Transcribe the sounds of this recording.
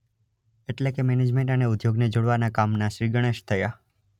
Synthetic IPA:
eʈlekemened͡ʒmẽɳʈəneʊd̪joɡned͡ʒoɽʋanakamnaʃɾiɡəɽ̃eʃt̪ʰəja

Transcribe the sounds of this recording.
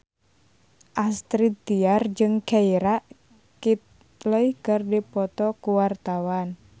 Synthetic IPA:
ʔast̪ɾit̪iard͡ʒɨŋkaiɾaʔ | kit̪̚ | ləihkɨrdipɔt̪ɔkuwart̪awan

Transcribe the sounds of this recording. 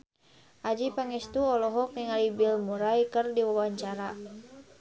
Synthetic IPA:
ʔad͡ʒipaŋɛst̪uɔlɔɦɔkiŋalibilmuɾajkərdiwawaɲt͡ʃaɾa

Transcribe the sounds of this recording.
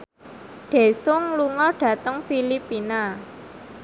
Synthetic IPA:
ɖ̪̥e̤sʊŋluŋɔɖ̥ä̤t̪əŋfilipina

